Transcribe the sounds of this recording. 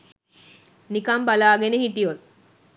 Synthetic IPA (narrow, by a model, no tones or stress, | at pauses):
nikɐmbalaːɡenehiʈijol